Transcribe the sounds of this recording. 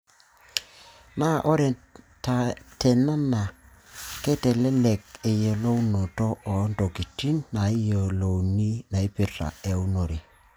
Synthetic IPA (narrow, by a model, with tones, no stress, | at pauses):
na˦ʔɔ˦ɾɛ˨ | ta˨tɛ˨na˦na˨ | kɛ˦tɛ˨lɛ˦lɛ˨ke˨je˨lo˦u˦no˨tɔ˦ʔːndo˨ki˨ti˦nːa˨i˦jo˨lo˨u˨ni˦na˨i˦pɪ˦ta̰˨e˨u˦no˨ɾi˨